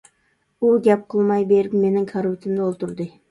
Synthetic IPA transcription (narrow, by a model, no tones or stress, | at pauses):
uɡʲɛp̚qʰəlˠmɑjbeɾɪpmenɪŋkʰaɾupt̪ʰɪmd̪ɪolˠt̪uɾd̪ɨ